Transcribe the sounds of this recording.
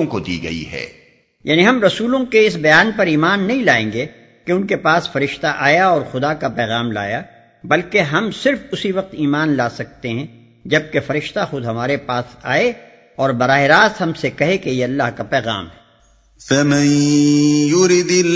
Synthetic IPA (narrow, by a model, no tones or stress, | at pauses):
õkod̪ḭːɡɐ̰ḭɦɛ̰ː | jaːniɦɐmɾɐsuːlõkeɪs̬bɐjaːnpɐɾiːmaːnːɐɦĩlaːẽːŋɡe | keʊnkepaːsfɐɾɪʃt̪aʔaːjaɔːɾxʊd̪akapɛːɣaːmla̰ːja | bɐlkeɦɐmsɪɾfʊsiʋɐq̚t̪iːmaːnlaːsɐk̚t̪eɦɛ̃ | d͡ʒɐb̚kefɐɾɪʃt̪axʊd̪ɦɐmaːɾepaːsa̰ːe | ɔːɾbɐɾaːɦɪɾaːsɦɐmsekɐɦekejeɐlːaɦkapɛːɣa̰ːmɦɛ | fɐmɛ̃ | jʊɾid̪